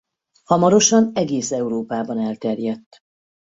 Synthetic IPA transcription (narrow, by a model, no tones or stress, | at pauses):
hɒmɒɾo̞ʃɒnɛɡeːsɛuɾoːpaːbɒnɛlt̪ɛrjɛt̪ː